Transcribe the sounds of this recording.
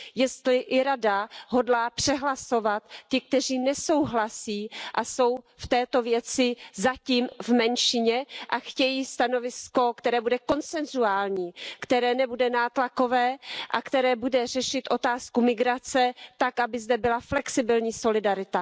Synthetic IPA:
jɛst̪lɪʔɪɾadaɦo̞dlaːpr̝̥ɛɦlaso̞vat̪ːɪk̚t̪ɛr̝iːnɛso̞wɦlasiːʔaso̞w | ft̪ɛːt̪o̞vjɛt͡sɪzaciːmvmɛnʃɪɲɛʔaxcɛjiːst̪ano̞vɪsko̞kt̪ɛɾɛːbudɛko̞nt͡sɛnzuaːlɲiːkt̪ɛɾɛːnɛbudɛnaːt̪lako̞vɛːʔakt̪ɛɾɛːbudɛrɛʃɪt̪ʔo̞t̪aːskumɪɡɾat͡sɛt̪akʔabɪzd̪ɛbɪlaflɛksɪbɪlɲiːso̞lɪdaɾɪt̪a

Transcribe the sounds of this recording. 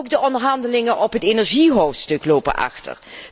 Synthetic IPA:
kdəʔɔndəɹɦɑndəlɪŋənʔɔpɦətenɛɹʒiɦowftstɵklowpə̰nʔɑ̰χtə̰ɹ

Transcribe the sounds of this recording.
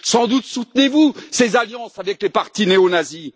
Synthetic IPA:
sɑ̃d̪ut̪sut̪nevusezaljɑ̃savɛklepaʁt̪ineonazi

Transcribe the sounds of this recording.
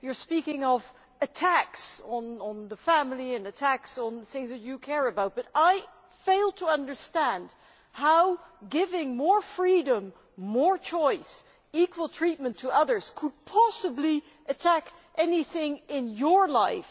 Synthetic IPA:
jə˞spikɪ̃ŋʌv | ɨtʰæksn̩n̩ðəfæ̃ml̩ˠiɨ̃nɨtʰæksn̩ðθɪ̃ŋzðɨt͡ʃɨkʰɛɹɨbaʊt̚b̥ʌɾaɪ | feɪlˠd̚tʰəʌ̃ndə˞stæ̃nd̥ | haʊɡɪvɪ̃ŋmɔɹfɹiɾə̃mː | ɔɹt͡ʃʰɔɪs | ikʰwəlˠtʰɹ̥it̚mɨ̃ntʰəʌðə˞z̥kʰəd̚pʰɑsəbli | ʔɨtʰæk | ʔɛniθɪ̃ŋɪ̃njə˞laɪf

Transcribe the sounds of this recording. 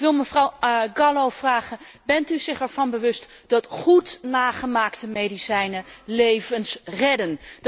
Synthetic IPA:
kʋɪlˠməvrɑwɡɑlowv̥raːχən | bɛntyzɪχɛɹv̥ɑnbəʋɵst | d̥ɑtχutnaːχəmaːktəmejdisɛjnəlejvənsrɛdən

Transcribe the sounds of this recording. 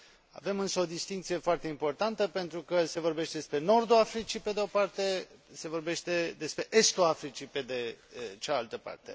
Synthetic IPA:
a̰ve̞mɨnsəo̞d̪ist̪iŋk̚t̪sije̞foart̪e̞impo̞rt̪ant̪əpe̞nt̪ɾukəse̞vo̞rbe̞ʃt̪e̞d̪espɾe̞no̞rd̪uafɾit͡ʃipe̞d̪eo̞part̪e̞se̞vo̞rbe̞ʃt̪e̞d̪e̞spɾe̞ʔest̪uafɾit͡ʃiped̪et͡ʃaalt̪əpa̰rt̪e̞̰

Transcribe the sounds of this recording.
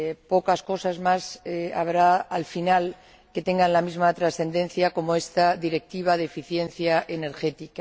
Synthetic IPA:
pokasko̞sazmasa̰βɾaːlfinal | ke̞t̪eŋɡanlamizmat̪ɾasθe̞nd̪e̞n̟θjako̞moest̪aðiɾe̞k̚t̪iβ̞aðefiθje̞nθjaʔeneɾxet̪ika

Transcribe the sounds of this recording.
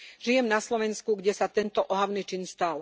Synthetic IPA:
ʒijɛmnaslɔʋɛnskuɡɟɛsat̪ɛnt̪ɔʔɔɦaʊnit͡ʃinst̪al

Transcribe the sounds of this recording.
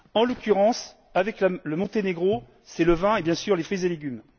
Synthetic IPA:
ɑ̃lɔkʲyʁɑ̃s | avɛklaləmɔ̃t̪eneɡʁo | sɛləvɛ̃ebjɛ̃syʁlefχizeleɡʲym

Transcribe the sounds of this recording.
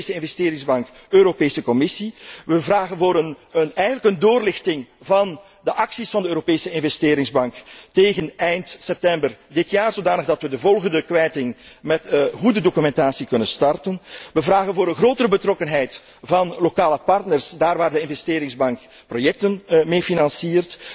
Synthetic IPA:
səɪnvɛsteːɾɪŋzbɑŋkøːɾopeːsəkɔmɪsiʋəvraːɣənvoːɾənnɛjɣənləkəndoːrlɪxtɪŋvɑn | dəʔɑksisfɑndəøːɾopeːsəɪnvɛsteːɾɪŋzbɑŋkteːɣənɛjntsɛp̚tɛmbərdɪtjaːrzodaːnəɣdɑtʋədəvɔlˠɣəndəkʋɛjtɪŋmɛtɣudədokymɛntaːsikɵnənstɑrtənʋəvraːɣənvoːɾənɣroːtəɾəbətrɔkənɦɛjt | vɑnlokaːləpɑrtnərsdaːrʋaːrdəɪnvɛsteːɾɪŋzbɑŋk | projɛk̚tənmeːfinɑnsiːrt

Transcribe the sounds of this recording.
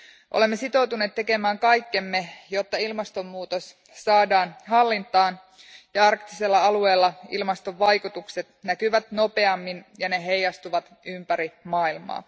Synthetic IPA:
ʔo̰le̞mːe̞sit̪o̞wt̪une̞ːt̪t̪ːe̞ke̞mæːŋkɑjkːe̞mːe̞jot̪ːɑilmɑst̪o̞mːuːt̪o̞s | sɑːdɑːnɦɑlːint̪ˑɑːn | jɑɑrkt̪ise̞lːæɑlue̞ːlːɑilmɑst̪o̞ʋːɑjkut̪ukse̞t̪nækyʋæt̪no̞pe̞ɑmːinjɑne̞ɦe̞jɑst̪uʋɑt̪ | ympæɾimɑːilmɑ̰ː

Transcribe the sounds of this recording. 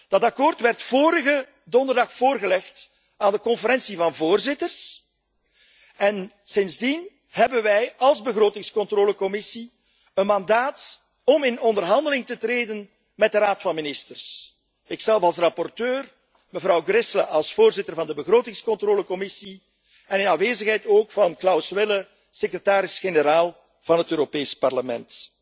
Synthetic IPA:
d̥ɑtɑkoːrtʋɛrtfoːɾəɣə | dɔndərdɑxfoːrɣəlɛxt | aːndəkɔnfəɾɛnsivɑnvoːrzɪtərs | ɛn | sɪnzdin | ɦɛbənʋɛjɑlˠzbəɣɾoːtɪŋskɔntroːləkɔmɪsi | ənmɑndaːt | ɔmɪnɔndərɦɑndəlɪŋtətreːdən | mɛd̚dəɾaːtfɑnmɪnɪstərs | ɪksɛlˠfɑlˠs̬rɑpɔrtøːr | məvɾɑwɡrɪsləʔɑlˠsfoːrzɪtərvɑndəbəɣroːtɪŋskɔntroːləkɔmɪsi | ɛnɪnafʋeːzəxɦɛjtoːkfɑnklɑwsʋɪlə | sekrətaːɾɪsxenəɾaːlˠ | v̥ɑnɦətøːɾopeːspɑrləmɛnt

